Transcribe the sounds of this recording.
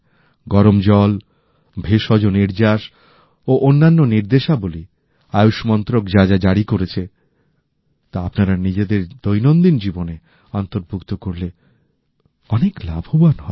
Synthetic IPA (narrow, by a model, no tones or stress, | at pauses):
ɡɔɾomd͡ʑɔl | bʱeʃɔd͡ʑoniɾd͡ʑaʃ | oʔonːanːoniɾd̪eʃaboli | ajuʃmɔnt̪ɾokd͡ʑad͡ʑad͡ʑaɽikoɾet͡ɕʰe | t̪aapnaɾanid͡ʑed̪eɾd̪ojnond̪ind͡ʑibone | ant̪oɾbʱukt̪okoɾle | ɔneklabʱobanɦɔe